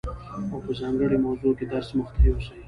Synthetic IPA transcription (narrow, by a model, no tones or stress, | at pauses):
awpəzɑŋɡəɽemawzoked̪aɾsməxt̪aiwəsai